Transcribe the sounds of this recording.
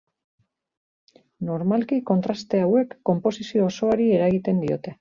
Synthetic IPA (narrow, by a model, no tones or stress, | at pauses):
no̞ɾmalkiko̞nt̪ɾast̪e̞awe̞kːo̞mpo̞sisio̞ːso̞aɾie̞ɾaɣit̪e̞nd̪io̞t̪e̞